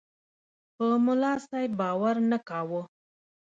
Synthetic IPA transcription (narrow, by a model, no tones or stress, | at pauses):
pəmʊlɑsajd̪̚bɑwaɾnakɑwə